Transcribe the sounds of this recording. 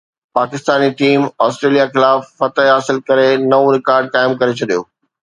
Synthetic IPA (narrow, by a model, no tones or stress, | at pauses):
paːkɪst̪aːniʈiːmɔːsʈɾeːlijaxɪlaːfːɐt̪əɦɦaːsɪlkɐɾenɐõɾɪkaːɾɖ̚kaːɪmkɐɾet͡ɕʰɐɗijoː